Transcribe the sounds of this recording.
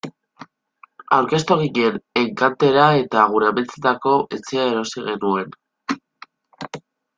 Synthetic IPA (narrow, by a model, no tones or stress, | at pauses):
a̰wɾke̞st̪oɣiʎe̞ne̞ŋkant̪e̞ɾae̞t̪aɣ̞uɾeamelt͡set̪ako̞ʔet͡se̞ae̞ɾo̞siɣe̞nue̞n